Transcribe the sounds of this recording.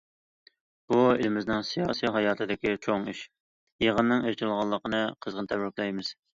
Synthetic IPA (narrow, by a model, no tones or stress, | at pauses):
b̥uelɪmɪznɪŋsijɑ̰ːsiɦɑjɑːt̪ʰɨd̪ɪkʲit͡ʃʰoŋiʃ | jeʁənːɨŋeɾt͡ʃ̪ʰɨlˠʁɑlˠːəqənɨqʰəzʁənt̪ʰɛbɾɪkʲlɛjmɨz̥